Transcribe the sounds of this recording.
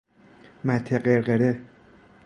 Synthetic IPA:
mæt̪ʰːeɢeɾɢeɾe

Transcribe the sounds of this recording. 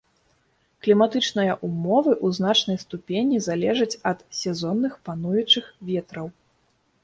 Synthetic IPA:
klʲimat̪ɨt͡ʂnɨjɐʔumɔvɨʔuzn̪at͡ʂn̪ɐjst̪upʲenʲizalʲɛʐɐt͡sʲɐt̪sʲɛzɔnːɨxpanujut͡ʂɨxvʲɛt̪ɾɐw

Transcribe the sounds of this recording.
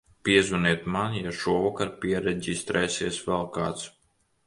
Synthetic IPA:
pʲiɛzuniɛt̪manjaʃuɔvakaɾpʲiɛɾɛdʲist̪ɾɛsiɛsvɛlˠka̰ːt̪s

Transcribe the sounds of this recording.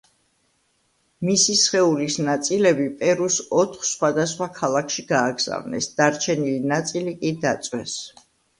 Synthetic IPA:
misisχɛulisnat̪sʼilɛbipʼɛɾusɔt̪ʰχsχwad̪asχwakʰalˠakʰʃiɡaːɡz̥a̰vnɛ̰sd̪aɾt͡ʃʰɛnilinat̪sʼilikʼid̪at̪sʼwɛs

